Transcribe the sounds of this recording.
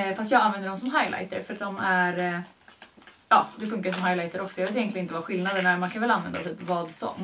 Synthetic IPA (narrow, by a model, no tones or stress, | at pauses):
fast̪jɑːɡanvɛnd̪əɖɔmsɔmɦajla̰jt̪ə̰ɾfœɾat̪̚d̪ɔmæɾ | ɑːd̪ɛfɵŋkaʂɔmɦajlajt̪əɾɔksɔjɑːveːt̪ɪjɛnlɪənɪt̪əvaːɧɪlnad̪əɳæɾmankʰanvɛlanvɛ̰nd̪at̪ʰyːpvɑːd̪sɔ̰mː